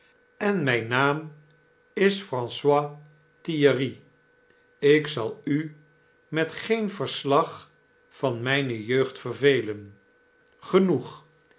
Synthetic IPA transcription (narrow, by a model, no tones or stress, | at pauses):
ɛnmɛjnaːm | ɪsfrɑ̃nswaː | tijəri | ɪksɑlˠy | mɛtχejnv̥əɹslɑχ | fɑnmɛjnəjøɥχtfərvejlən | χənuχ